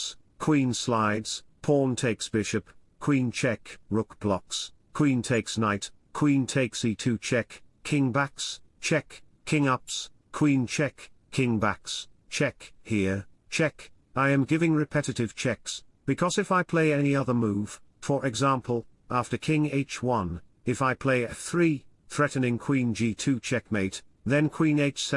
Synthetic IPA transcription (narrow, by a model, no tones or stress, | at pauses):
skʰw̥ĩnslaɪdz̥pʰɔɹntʰeɪksb̥ɪʃɨpkʰw̥ĩnt͡ʃʰɛkɹʊkb̥lɑks | kʰw̥ĩntʰeɪksnaɪt | kʰw̥ĩntʰeɪksitʰʉt͡ʃʰɛkkʰɪ̃ŋbækst͡ʃʰɛkkʰɪ̃ŋʌpskʰw̥ĩnt͡ʃʰɛkʰɪ̃ŋbækst͡ʃʰɛkhiɹt͡ʃʰɛk | aɪɨ̃mɡɪvɪ̃ŋɹɨpʰɛɾɨɾɨv̥t͡ʃʰɛksb̥ɨkʰʌzɨfaɪpʰl̥eɪɛniʌðə˞muv̥fə˞ʔɨɡzæ̃mpʰl̩ˠ | æftə˞kʰɪ̃ŋeɪt͡ʃwʌ̃n | ɨfaɪpʰl̥eɪɨθɹiθɹɛʔn̩ɪ̃ŋkʰw̥ĩnd͡ʒitʰʉt͡ʃʰɛk̚meɪt̪̚ðɨ̃nkʰw̥ĩneɪt͡ʃsɛ